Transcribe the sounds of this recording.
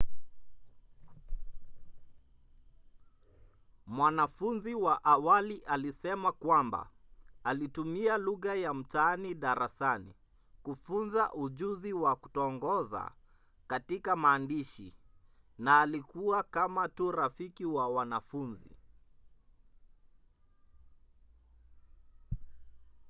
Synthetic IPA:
mwanafunziwaʔawaliʔalisɛmakwamba̰alitumialuɣajam̩taaniɗaɾasanḭ | kufunzaʔuʄuziwaku̥tɔːŋɡɔza̰ | katikamaːndiʃḭ | naːlikuwakamatuɾafikiwawanafunzḭ

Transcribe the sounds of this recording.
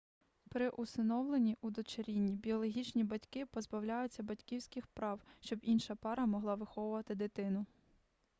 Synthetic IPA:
pɾɪʔusɪnɔwlˠenʲiʔud̪ɔt͡ʃɐɾʲinʲːibʲiɔlˠɔɦʲit͡ʃnʲibɐtʲkɪpɔzbɐwlʲajʊt͡sʲːɐbɐtʲkʲiwsʲkɪxpɾɑwʃt͡ʃɔbinʃɐpɑɾɐmɔɦlˠɑʋɪxɔwʊʋɐt̪ɪd̪ɪt̪ɪnʊ

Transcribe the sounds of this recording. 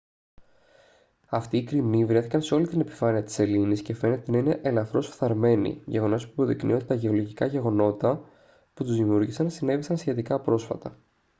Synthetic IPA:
ɐft̪iːkɾimivɾe̞θikɐnseo̞lit̪ine̞pi̥fɐniɐt̪i̥se̞linisce̞fe̞ne̞t̪e̞nɐineʔelɐθɾo̞sfθɐɾme̞nḭʝeɣo̞no̞spuɐpo̞ðiknḭot̪et̪ɐʝe̞o̞loʝikɐʝe̞ɣo̞no̞t̪ɐ | put̪uzðimiuɾʝisɐnsine̞visɐnsçe̞t̪ikɐpɾo̞sfɐt̪ɐ

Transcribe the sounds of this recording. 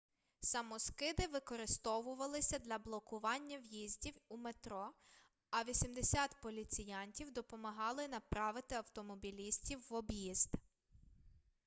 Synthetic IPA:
sɐmɔskɪd̪ɪʋɪkɔɾɪst̪ɔʋʊʋɐlˠɪsʲɐd̪lʲɐblˠɔkʊʋɑnʲːɐwjizʲdʲiwumet̪ɾɔ | ɐʋʲisʲimd̪esʲɑt̪pɔlʲit̪sʲɪjɑnʲtʲiwd̪ɔpɔmɐɦɑlˠɪnɐpɾɑʋɪt̪ɪɐwt̪ɔmɔbʲilʲisʲtʲiwːɔbjizd̪

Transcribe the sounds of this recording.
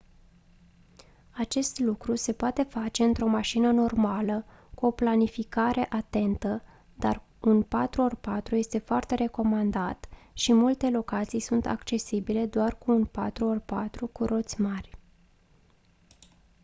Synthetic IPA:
at͡ʃe̞st̪lukɾuse̞poat̪e̞fat͡ʃe̞ɨnt̪ɾo̞maʃinəno̞rmalə | kuo̞planifikaɾe̞ʔat̪e̞nt̪ə | d̪̥a̰r | unpat̪ɾuorpat̪ɾuje̞st̪e̞foart̪e̞ɾe̞ko̞mand̪at̪ʃimult̪e̞lo̞kat̪sijsunt̪a̰kt͡ʃe̞sibile̞d̪oarkuːnpa̰t̪ɾuorpat̪ɾukuɾʔo̞t̪sʲmarʲ

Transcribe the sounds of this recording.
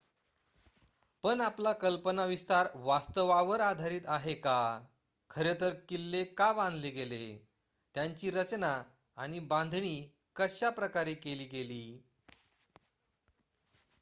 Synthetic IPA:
pənaplakəlpənaʋist̪aɾʋast̪əʋaʋəɾad̪ʱaɾiːt̪aɦeka | kʰəɾet̪əɾkilːekabãnd̪ʱleɡele | t̪jaɲt͡ɕiːɾət͡ɕnaː | ɽ̃ibãnd̪ʱɳiː | kəɕapɾəkaɾekeliːɡeliː

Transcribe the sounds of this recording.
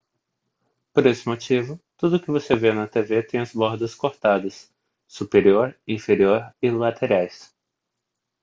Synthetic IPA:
poɾesɪ̥mot͡ʃivʊt̪ud̪ʊkɪvosevenɐt̪evet̪ẽj̃ɐzbɔɾd̪ɐskoɾt̪ad̪ɐsː | upeɾioɾĩfeɾioɾɪlat̪ʰeɾajs

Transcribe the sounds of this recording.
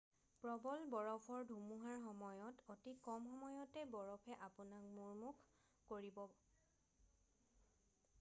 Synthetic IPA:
pɹɔbɔlbɔɹɔpʰɔɹdʱumuɦaɹxɔmɔjɔtotikɔmxɔmɔjɔtɛbɔɹɔpʰɛʔapʊnak̚muɹmukʰ | koɹibɔ

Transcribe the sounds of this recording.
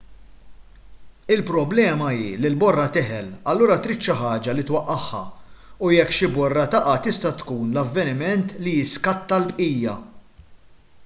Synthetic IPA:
ɪlpɾɔblɛːmɐḭːlɪlbɔrːɐt̪ɪħɛlɐlːuːɾɐt̪ɾɪt̪ʃɐħɐːd͡ʒɐlɪt̪wɐʔːɐħːɐ̰ujɛkːʃɪbɔrːɐt̪ɐʔɐt̪ɪst̪ɐt̪kuːnlɐvːɛnɪmɛnt̪lijɪskɐt̪ːɐlbʔiːjɐ

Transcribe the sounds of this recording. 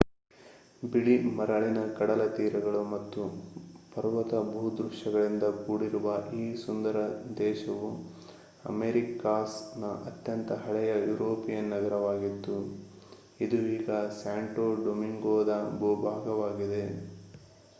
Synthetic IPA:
biɭimɐɾɐɭinɐkɐɽɐlɐt̪iːɾɐɡɐɭumɐt̪ːupɐɾʋɐt̪ɐbʱud̪ɾuʂɐɡɐɭind̪ɐkuːɽiɾuʋɐʔiːsund̪ɐɾɐd̪ɛːʃɐʋu | ɐ̰meɾikaːsnɐʔɐt̪jɐnt̪ɐɦɐɭɛjɐjuɾoːpijɐnːɐɡɐɾɐʋaːɡit̪ːu | id̪uiːɡɐsaːɳʈoːɖomiŋɡoːd̪ɐbubʱaːɡɐʋaːɡid̪e̞

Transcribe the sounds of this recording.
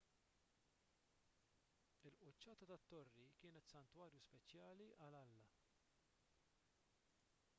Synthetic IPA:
ɪlʔʊt͡ʃːɐːt̪ɐt̪ɐt̪ːɔrːikɪːnɛt̪sɐnt̪wɐːɾjuspɛt͡ʃjɐːliʔɐlɐlːɐ

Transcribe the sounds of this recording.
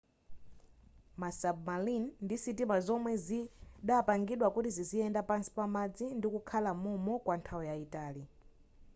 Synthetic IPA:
masabmalinːdisitimazɔmwɛziɗapaŋɡiɗwakutiziziɛndapansi̥pamad͡zindikukʰalamumɔkwantʰaɔjaitaːli

